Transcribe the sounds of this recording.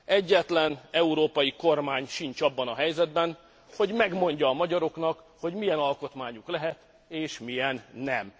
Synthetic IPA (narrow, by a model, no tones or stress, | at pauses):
ɛɟːɛt̪lɛnɛuɾoːpɒjiko̞rmaːɲʃint͡ʃɒbːɒnɒɦɛjzɛd̪bɛn | ho̞ɟmɛɡmo̞ɲɟɒːmɒɟɒɾo̞knɒk | ho̞ɟmijɛnɒlko̞t̪maːɲuklɛɦɛt̪ | eːʃmijɛnːɛm